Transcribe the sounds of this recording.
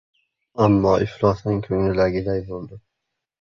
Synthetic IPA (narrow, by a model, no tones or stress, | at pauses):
amːɒʔɪflɒsnɪŋkʲʰɵŋnɪlaɡʲɪd̪ajbolˠd̪ɪ